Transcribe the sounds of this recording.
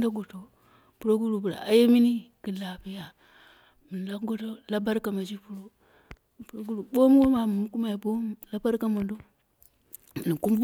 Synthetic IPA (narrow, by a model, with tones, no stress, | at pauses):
da˦ɡo˨to˨ | pu˦ɾo˦ɡu˦ɾu˨bu˨ɾa̰˨a˦je˦mi˦ni˦ki˨la˨pi˦ja˨ | mi˨n˨la˦ɡo˦to˦la˦ba˦ɾka˨ma˨d͡ʒi˦pu˦ɾo˦ | pu˦ɾo˦ɡu˦ɾu˨bo˦m˦wo˦ma˨mu˨mu˦ku˦ma˨i˨bo˦m˦la˦ba˦ɾka˦mo˨ndo˦˨ | ni˨ku˦m˦